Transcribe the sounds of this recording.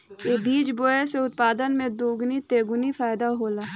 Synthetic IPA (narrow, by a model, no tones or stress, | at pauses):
eːbiːd͡ʒboːeseʊt̪paːd̪ənmẽd̪oːɡnit̪eːɡʊnifaːjd̪aɦoːlaː